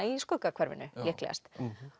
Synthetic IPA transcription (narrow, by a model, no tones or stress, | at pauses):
iskœkakʰv̥ɛɾvɪ̰nʏlɛhklɛ̰ɣast̪